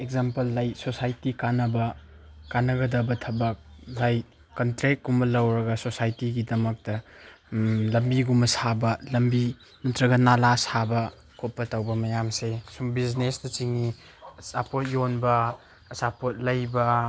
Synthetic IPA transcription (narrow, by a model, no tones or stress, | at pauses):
ekzampɐlːɐjsosajtikanɐbɐ | kanɐɡɐdɐbɐtʰɐbɐk̚lɐj | kɐntɾet̚ɡumɐlɐwɾɐɡɐsosajtiɡidɐmɐk̚tɐ | lɐmbiɡumɐsabɐlɐmbi | nɐtɾɐɡɐnalasabɐ | kʰot̚pɐtɐwbɐmɐjamsesumbiznesdɐt͡ʃiŋi | sapot̚jonbɐ | sapot̚lɐjbɐ